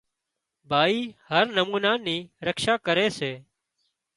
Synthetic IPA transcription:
bʱaːiːhəɾnəmuːnaːniːɾəkʃaːkəɾeːseː

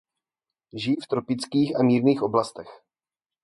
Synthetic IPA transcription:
ʒɪjft̪ɾo̞pɪt͡skiːxamiːɾniːxʔo̞blast̪ɛx

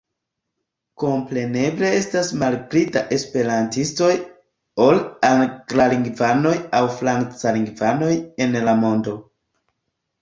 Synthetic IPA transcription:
ko̞mpɾe̞ne̞ble̞e̞stasmalɡɾita̰ʔe̞spe̞ɾantisto̞j | o̞laŋɡlaliŋɡvano̞jawfɾaŋt͡saliŋɡvano̞je̞nlamo̞ndo̞

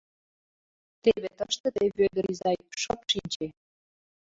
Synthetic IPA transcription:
t̪eβet̪əʃt̪ə̆d̪eβøɣə̆ɾizɑjpʃɤpʃinʲt͡ɕe

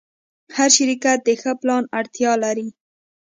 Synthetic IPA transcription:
haɾʃɪɾikat̪̚d̪əxəplɑnaɽt̪jɑlaɾi

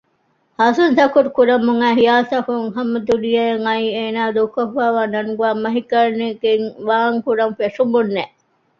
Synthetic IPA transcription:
hɐsunt̪ɐkuɾukuɾɐmuŋæːɦijaːt̪ɐkuŋhɐmɐd̪ulijɐjeŋɐiːeːnaːd̪okːofaːʋaːnɐŋɡuaːmɐɦikɐɾneɡeŋʋaːŋkuɾɐmfeʂumbunːe

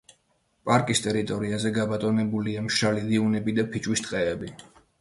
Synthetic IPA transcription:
pʼaɾkʼist̪ʼɛɾit̪ʼɔɾiazɛɡabat̪ʼɔnɛbuliamʃalidiunɛbid̪apʰit͡ʃʼwist̪ʼqʼɛɛbi

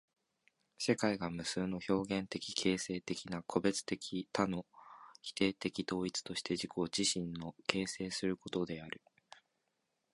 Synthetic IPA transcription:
se̞kaiɡamɯ̟sɨːno̞ço̞ːɡẽ̞nt̪e̞kʲi̥kʰe̞ːse̞ːt̪e̞kʲinakʰo̞be̞t͡sɨ̥t̪e̞kʲʰit̪ano̞çi̥t̪e̞ːt̪e̞kʲit̪o̞ːit͡sɨ̥t̪o̞ɕi̥t̪e̞ʑikoːd͡ʑiɕĩnːo̞ke̞ːse̞ːsɨɾɯ̟ko̞t̪o̞d̪e̞aɾɯ̟

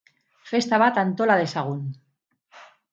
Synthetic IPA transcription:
fest̪aβat̪ant̪olaðesaɣ̞un

